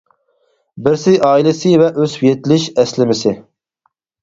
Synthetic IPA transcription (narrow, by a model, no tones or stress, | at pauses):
bɪɾsɪzʔɑːilˠɪsɪvɛʔøzwjet̪ʰɪlɪʃɛslɪmɪsɪ